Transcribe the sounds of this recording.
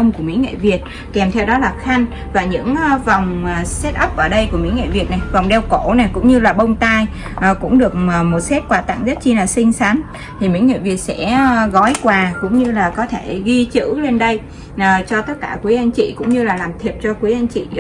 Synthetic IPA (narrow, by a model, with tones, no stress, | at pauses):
ə˧wŋ͡mku˧˩əmḭ˧˥ŋḛ˧˨vi˨˩ət̚ | kɛ˨˩mt̪ʰɛ˧wɗɔ˨˦laː˨˩xa˧jŋ̟ | vaː˨˩ɲɨ̰˧˥ŋ˧va˨˩wŋ͡msɛ˦˥t̚ʔə˦˥p̚ʔəː˧˩ɗə˧jku˧˩əmḭ˧˥ŋḛ˧˨vi˨˩ət̚na˨˩jva˨˩wŋ͡mɗɛ˧wko˧˩na˨˩jkʊ̰˧˥ŋ͡mɲɨ˧laː˨˩ɓə˧wŋ͡mt̪aː˧j | ʔːkʊ̰˧˥ŋ͡mɗɨ˨˩ək̚ːmo˨˩t̚sɛ˦˥t̚kwaː˨˩t̪a̰˧˨ŋzə˦˥t̚t͡ɕi˧laː˨˩sï˧ŋ̟sa˨˦m | t̪ʰi˨˩mḭ˧˥ŋḛ˧˨vi˨˩ət̚sɛ̰˧˥ɣɔ˨˦jkwaː˨˩kʊ̰˧˥ŋ͡mɲɨ˧laː˨˩kɔ˨˦t̪ʰe˧˩ɣi˧t͡ɕɨ̰˧˥le˧nɗə˧jː | t͡ɕɔ˧t̪ə˦˥t̚kaː˧˩kwu˨˦jʔa˧jŋ̟t͡ɕḭ˧˨kʊ̰˧˥ŋ͡mɲɨ˧laː˨˩laː˨˩mt̪ʰi˨˩əp̚t͡ɕɔ˧kwi˨˦ʔa˧jŋ̟t͡ɕḭ˧˨